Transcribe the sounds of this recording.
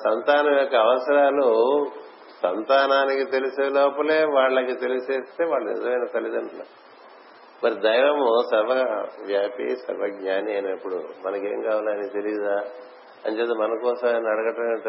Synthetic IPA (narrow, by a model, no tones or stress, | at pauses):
sɐnt̪aːnɐmjɔkːɐːʋɐsɐɾaːlu | sɐ̰nt̪aːnaːnikit̪e̞liseːloːpɐleːʋaːɭːɐkit̪e̞lise̞ːst̪e̞ːʋaːɭːɐnḭzɐmɐjnɐt̪ɐlid̪ɐɳɐla̰ | mɐɾid̪ɐjʋɐmusɐɾʋɐʋjaːpḭsɐ̰ɾbɐɡɲaːniɐjnɐpːuɽumɐnɐke̞̰ːŋkaːʋaːlɐnit̪e̞liɡid̪aː | ɐ̰nt͡ʃeːt̪emɐnɐkɔːsɐmnɐɽɐɡɐʈɐmeɳʈː